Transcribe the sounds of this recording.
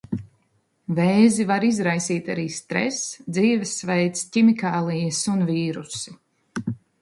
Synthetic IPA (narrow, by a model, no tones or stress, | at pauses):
vɛːzivaɾizɾajsiːt̪ʲaɾiːst̪ɾɛ̰sd̪ziːvɛsːvɛjt̪scimikaːlˠijəsunviːɾusi̥